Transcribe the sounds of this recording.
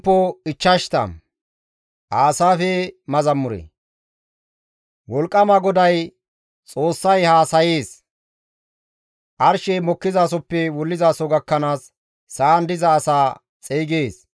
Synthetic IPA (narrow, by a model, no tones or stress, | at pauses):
pːɔɪt͡ʃːɐʃt̪ɐ̰ | ʔaːsaːfɛmɐzɐmːʊɾɛ̰ | wɔlkʼːɐmɐɡɔd̪ɐj | t͡sʼo̞ːsːɐjhaːsɐjeːs | ʔɐɾʃɛmɔkːɪzaːs̬ɔpːɛwɔlːɪzaːsɔɡɐkːɐnaːsː | aːnd̪ɪzɐːsaː | t͡sʼeːɡeːs